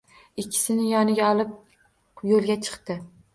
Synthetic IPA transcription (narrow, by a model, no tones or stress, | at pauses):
ɪkʲʰːɪ̥sɪnɪjɒnɪɡʲaɒlˠɪp̚ | jolˠɡʲat͡ʃʰɨ̥qt̪ɪ